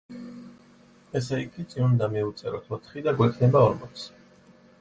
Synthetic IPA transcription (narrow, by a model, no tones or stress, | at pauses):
ɛs̬ɛikʰʼit̪sʼinund̪amiut̪sʼɛɾɔt̪ʰɔt̪ʰχid̪aɡwɛkʰnɛbaɔɾmɔt̪sʰ